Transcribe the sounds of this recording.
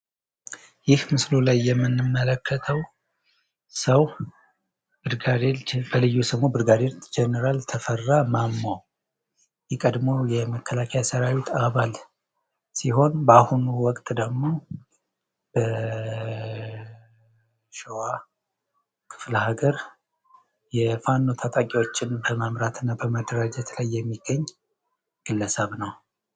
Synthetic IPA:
jɪhmɨslulajːɛmːɨnːɨmːələkʰːət̪ʰəw | səw | bɨɾɡad̪ebəlɨjːusəmːobɨɾɡad̪eld͡ʒɛnəɾalt̪ʰəfərːamamːa | jɛkʼəd̪mo̞jɛməkʰːəlakʰəjasəɾawit̪ʰaβal | siɦo̞nbahunuwɔkʼt̪ʼd̪əɡmo̞ | b̥ə | ʃowa | kʰɨ̥fləhaɡəɾ | jɛfanːo̞t̪ʰat̪ʼakʼiwo̞t͡ʃːɪnbəməmɾat̪ʰɨnːabəməd̪əɾad͡ʒɛt̪lajːɛmːiɡ̥ːəɲː | ɡ̥ɨlːəsəβnəw

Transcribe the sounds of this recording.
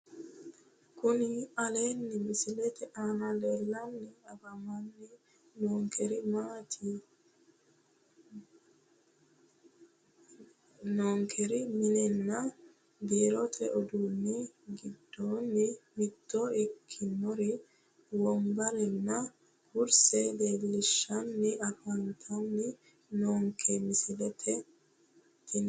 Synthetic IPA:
kunialenːimisilɛt̪ɛʔanalɛlːanːiabamanːi | nɔŋkʰeɾimatʰi | nɔŋkʰeɾiminɛnːa | b̪eːɾɔt̪ʰɛʔɔd̪uːnːɪɡɪd̪ːoːnːɪmɪt̪ːoɪkʰːɪnːɔɾɪ | wɔmbɐɾɛnːɐ | ɡʊɾsɛd̪e̞ːlːɪʃːɐnːɪʔɐfɐnt̪ʰɐnːɪ | noːŋkʰːemɪsɪd̪ɛt̪ʰɛ | t̪ːɪn

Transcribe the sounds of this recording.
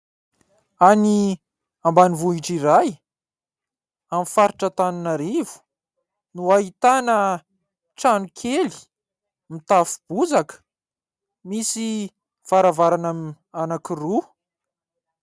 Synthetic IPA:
ani | ambanivuiʈ͡ʂiɾaj | amifaɾiʈ͡ʂət̪anunaɾivu̥ | nuaɦit̪anə | ʈ͡ʂanukʰeli̥ | mit̪afu̥b̥uzakə̥ | misi | v̥aɾavaɾanam | anakiru

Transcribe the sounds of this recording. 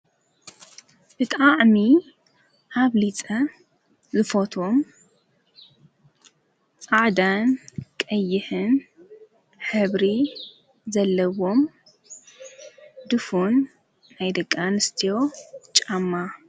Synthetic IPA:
b̥ɨt̪ʼaʕmi | ʔaβlit͡sʼɐ | zɨfot̪ʰom | t͡sʼaʕd̪ankʼɐjːɪħɨn | ħɨβɾi | zɐlːɐwo̞m | d̪ɨfunː | ajd̪ɐkʼːanɨst̪ʰijo̞t͡ʃʼamːa

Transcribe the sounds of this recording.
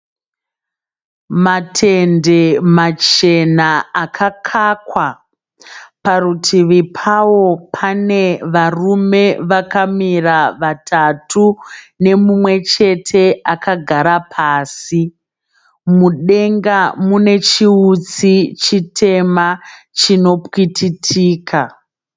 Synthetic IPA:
matʰe̞nde̞mat͡ʃe̞naakʰakʰakwa | parutʰiʋipʰawo̞pʰane̞ʋarume̞ʋakamiraʋatʰatʰune̞mumwe̞t͡ʃe̞tʰe̞akaɡʱaɾapʰaːsi | muɗe̞ŋɡamune̞t͡ʃiut͡sit͡ʃitʰe̞ma | t͡ʃino̞pwitʰitʰiːkʰa

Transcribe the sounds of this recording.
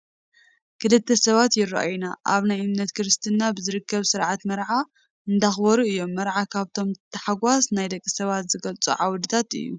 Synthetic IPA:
kʰɨlɨt̪ʰːɐsɐβat̪jɪrɐ̰ʔajnaʔaβnajʔɨmnɐt̪kʰɨɾɨst̪ʰɨnːabɨzɨɾɨkʰːɐβsɨɾʕat̪mɐɾʕa | ɨnd̪axbɐɾuɨjːo̞mːɐɾʕakʰaβt̪ʰo̞mt̪ʰɐħaɡʷasnajd̪ɐkʼːisɐβat̪zɨɡɐlt͡sʼṵʕawd̪ɨt̪ʰat̪ɨ̰jːṵ

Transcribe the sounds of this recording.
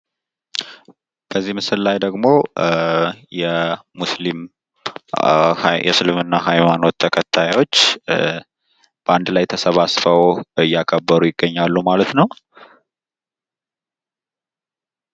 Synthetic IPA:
b̥əzːihmɨsɨlːajd̪əɡmo̞ | jɛmuslim | jɛ̰sɨlɨmɨnːaɦajmano̞t̪ʰːəkʰət̪ʰːajwo̞t͡ʃː | b̥əand̪lajt̪ʰəsəβasfəwɨjːakʰəbːəɾujɪɡːəɲːalːumalət̪nəw

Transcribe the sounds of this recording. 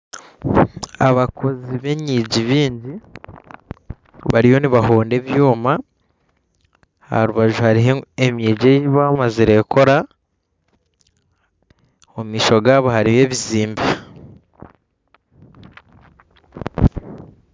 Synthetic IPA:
aβakʰo̞ziβe̞ɲiːɟiβiːɲɟi | βaɾijo̞niβaɦoːnde̞βjuːma | ha̰ɾuβaʒuhaɾiɦeemɲiːɟejiβamaziɾe̞kʰo̞ɾa | omiːʃo̞ɡaːβohaɾije̞ːβiziːmbi

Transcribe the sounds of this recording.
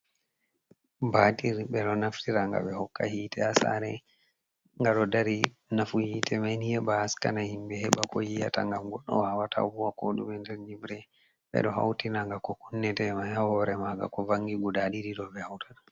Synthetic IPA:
batiɾbɛɗɔnaftiɾaŋɡa̰ɓɛhɔkːa̰hiːtʰɛasa̰ɾɛ | ŋɡaɗɔdaɾi | nafuhiːtʰɛmajnijɛbaːskanahimbɛhɛɓakɔjija̰ta̰ŋɡamɡɔɗːɔ̰whawata̰vuwakoɗumɛntɛlɲibɾɛ | ɓɛ̰ɗɔɦa̰wtinaŋɡakɔkunːɛtɛmajhahɔɾɛmaɡa̰kɔvaŋɡiɡudaɗiɾiɗɔbɛhawtana

